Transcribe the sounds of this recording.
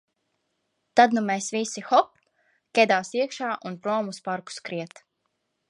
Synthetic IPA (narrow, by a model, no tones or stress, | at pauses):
t̪ad̪numɛjsʋisixɔp | kʲɛd̪aːsiɛkʃaːʔunpɾɔːmuspaɾku̥skɾiɛt̪